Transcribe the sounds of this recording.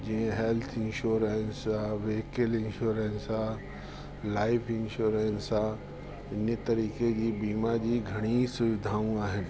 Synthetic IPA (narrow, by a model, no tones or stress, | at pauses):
d͡ʑiẽɦeːlt̪ʰɪnʃuːɾensaʋeːkelɪnʃuːɾensa | laːɪpʰɪ̃nʃuːɾensaː | ɪnet̪ɐɾiːked͡ʑiːbiːmad͡ʑiːɡʱɐɽ̃isʊʋɪd̪ʱaːũaːɦɪnɪ̆